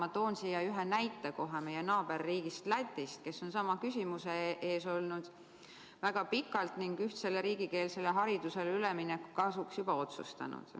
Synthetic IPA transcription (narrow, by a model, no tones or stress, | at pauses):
ɑt̪o̞ːnsijɑyɦenæjt̪ːˑeko̞ɦeme̞jenɑːb̥e̞rːiːɡ̥ist̪læt̪ʲːˑist̪̚ke̞sːo̞nsɑmɑkysʲimuseʔe̞ːso̞lnud̪̥ | væɡ̥ɑpikːˑɑlt̪niŋɡyht̪se̞lːeɾiːɡ̥ike̞ːlse̞leɦɑɾid̪̥use̞lyleminːekːu̥kɑsuksjub̥ɑo̞t̪sṵst̪ɑ̰nṵd̪̥